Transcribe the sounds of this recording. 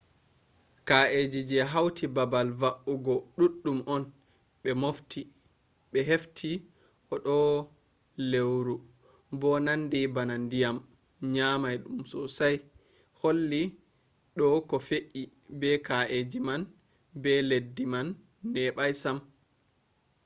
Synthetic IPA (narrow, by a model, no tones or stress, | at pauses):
kaʔed͡ʒid͡ʒɛɦawtʰibabalvaʔuɡɔɗuɗːumʔɔn | ɓɛmoftʰi | ɓɛɦeftʰi | ʔɔɗɔ | lewɾu | bɔnandibanandijam | ɲamajɗumsɔsaj | holːi | ɗɔkɔfeʔi | bɛkaʔed͡ʒiman | bɛledːimanː | ɛɓajsam